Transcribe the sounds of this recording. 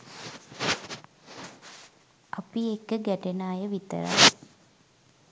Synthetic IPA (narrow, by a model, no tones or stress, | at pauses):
apiekːəɡæʈenaːjəʋit̪ə̰ɾa̰